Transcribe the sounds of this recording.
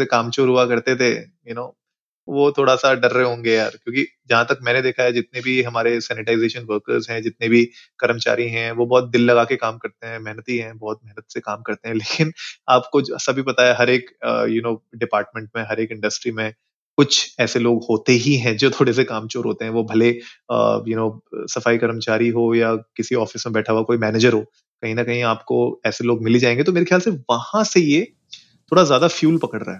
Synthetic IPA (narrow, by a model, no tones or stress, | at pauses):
ekaːmt͡ʃoːɾɦuakɐɾt̪et̪ʰe | jʊnoː | ʋoːt̪ʰoːɽasaɖɐɾːeɦõːŋɡejaːɾkjõːkid͡ʒɐɦãt̪ɐk̚mɛ̃ːned̪eːkʰaɦɛd͡ʒɪt̪̚nebʱiɦɐmaːɾesɛːnɪʈaːɪzeːʃənʋəɾkə̰ɾzɦɛ̃d͡ʒɪt̪nebʱikɐɾəmt͡ʃa̰ːɾiɦɛ̃ʋobɔːt̪̚d̪ɪlːɐɡaːkekaːmkɐɾt̪eɦɛ̃mɛɦnət̪ɦiɦɛ̃bɔːt̪̚mɛɦnət̪sekaːmkɐɾt̪eɦɛ̃leːkɪnaːpkod͡ʒoɛ̰ːsabʱipɐt̪aaɦɐɾeːkːjʊnoːɖɪpaːɾʈmẽɳʈ̚mẽɦɐɾeːkɪ̃ɳɖɐsʈɾimẽ | kʊt͡ʃʰɛːseloːɡhoːt̪eɦiɦɛ̃d͡ʒoːt̪ʰoːɽesekaːmt͡ʃoːɾɦoːt̪eɦɛ̃ʋobʱɐleə̰jʊnoːsɐfaːikɐɾəmt͡ʃaːɾiɦoːjakɪsiɔːfɪsmẽbɛːʈʰaoakoːimɛːneːd͡ʒəɾɦoː | kɐɦĩnɐkɐɦĩaːpkoɛːseloːɡmɪled͡ʒaːẽːŋɡet̪omeːɾexʰjaːlseʋɐhãseje | t̪ʰoːɽazjaːd̪afjuːlpɐkəɽɾa̰ɦɛː